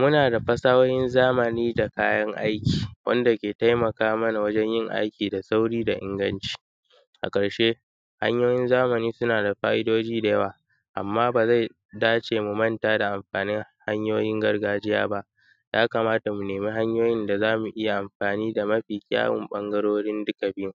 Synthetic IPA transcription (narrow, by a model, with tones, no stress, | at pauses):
mʊ˦naː˨da˨ɸɐ˦saː˦wɐ˦jɪ˦nzaː˦mɐ˨niː˦da˨ka̰ː˦jɐ˦ŋʔa̰˦jkʲi̥ː˨wʔɐ̰˦nda˨kʲeː˨ta˦jmɐ˨kaː˦mɐ˦na˨wɐ˦d͡ʒɛ˦ɲjɪ˦ŋʔa̰˦jkʲiː˨da˨sa˦wɽiː˦da˨ʔɪ̰˦ŋɡɐ˦nt͡ʃi̥˦˨ | ʔa̰˨kʼɐ˨ɽʃe˦ | ha̰˦ɲjoː˦jɪ˦nzaː˦mɐ˨niː˦sʊ˦naː˨da˨ɸaː˦ʔɪ˦doː˦d͡ʒiː˦da˨jɐ˦waː˨ | ʔa̰˨mːaː˦baː˨za˦˨j | daː˦t͡ʃeː˨mu˨mɐ˦ntaː˦da˨ʔa˨mɸaː˨nɪ˦ŋha˦ɲjoː˦jɪ˦ŋɡɐ˦rɡaː˦d͡ʒɪ˦ja̰ː˦ba˦ʔ | jaː˦ka˨maː˦ta˨mu˨neː˨mi˦ɦa˦ɲjoː˦jɪ˦nda˨zaː˦mu˨ʔɪ˦ja˨ʔa˨mɸaː˨niː˦da˨mɐ˦ɸiː˨kʲʼa̰ː˦wɪ̰˨mɓɐ˦ŋɡɐ˦ɽoː˦ɽɪ˦ndʊ˦kɐ˨biː˦m˨